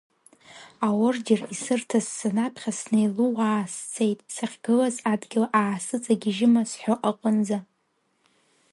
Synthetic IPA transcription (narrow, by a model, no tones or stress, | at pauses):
awʊrd͡ʒɪrisɨrtʰazːanapʰχʲasnejluwaːst͡sʰe̞jtʼsaχʲɡ̥ɨlazadɡʲɪlʔaːsɨt͡sʼaɡʲiʒɪmasħʷoʔaqʼənd͡za